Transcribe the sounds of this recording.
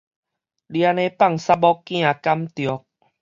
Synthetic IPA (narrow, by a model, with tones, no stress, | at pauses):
li˧a˧nẽ˦pa˥˧˨ŋsa˦bɔ˦kːj̃ã˥˨ka˦mt̪jɔ˨˦k̚